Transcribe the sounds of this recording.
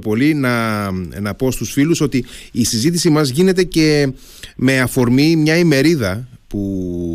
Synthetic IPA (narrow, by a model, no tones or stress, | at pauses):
po̞linɐnɐpo̞st̪usfiluso̞t̪iːsizit̪isimɐzʝine̞t̪e̞ce̞ | me̞ɐfo̞ɾmimɲɐime̞ɾiðɐpu